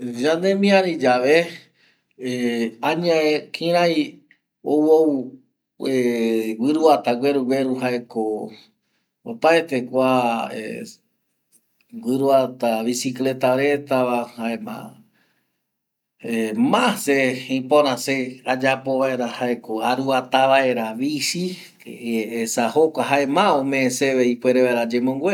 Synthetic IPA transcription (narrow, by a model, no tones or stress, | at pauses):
d͡ʒãnd̪ẽmĩãɾid͡ʒaʋe | ãɲãekʰĩɾ̃ãj | owow | ewɨɾuat̪aɡweɾuɡweɾuɦaeko | opaet̪e̞kʷaḛ | wʷɨɾuat̪aβisikle̞t̪aɾe̞t̪aβahaemã̰ | emãseĩpõnãsead͡ʒapo̞βaeɾahaekoaɾuat̪aβae̞ɾaβisi | keesahokʷaɦaemãõmẽẽseβeipʷeɾeβaeɾad͡ʒemõŋɡʷwe